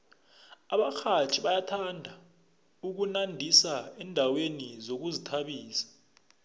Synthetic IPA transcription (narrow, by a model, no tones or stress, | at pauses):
aɓaxʰat͡ʃʰiɓajatʰandʱa | uk̬unandʱisaɛndʱawenizok̬uzitʰaɓiːsḁ